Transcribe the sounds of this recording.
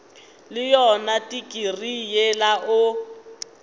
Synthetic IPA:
lɪjɔnatʼikʼirijelaʔʊ

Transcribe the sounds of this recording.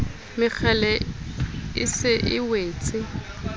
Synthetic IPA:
mɪk͡xʰɛlɛ | ɪsɪʔɪweːt͡sʼɪ

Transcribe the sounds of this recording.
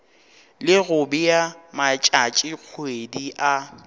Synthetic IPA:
lɪɣʊbɪjamat͡ʃʼat͡ʃʼɪq͡χʰwediʔa

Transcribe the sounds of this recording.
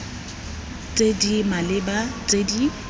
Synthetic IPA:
tʼedimalɪbatʼedi

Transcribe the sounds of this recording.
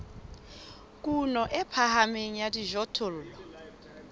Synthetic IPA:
kʼunɔʔɛpʰahameɲ̩jadiʒɔtʰol̩ːlɔ

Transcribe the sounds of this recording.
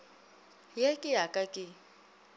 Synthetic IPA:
jekʼɪakʼakʼɪ

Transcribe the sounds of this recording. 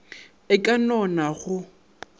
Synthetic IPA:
ɪkʼanɔnaɣʊ

